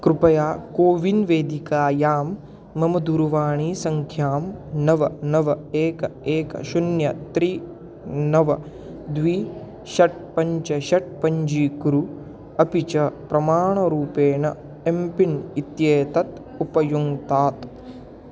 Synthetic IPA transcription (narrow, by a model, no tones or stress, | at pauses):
kɾupɐjaːkoːʋinʋeːd̪ikaːjaːmː | ɐmɐd̪uːɾuʋaːɳiːsɐŋkʰjaːmnɐʋɐnɐʋɐeːkɐeːkɐ̰ʃunjɐt̪ɾi | nɐʋɐ | d̪ʋiː | ʃɐʈ̚pɐɲt͡ʃɐʃɐʈ̚pɐɲd͡ʒiːkɾu | ɐpit͡ʃɐpɾɐmaːɳɐɾuːpeːɳɐ | empinit̪jeːt̪ɐt̪ | upɐjuŋt̪aːt̪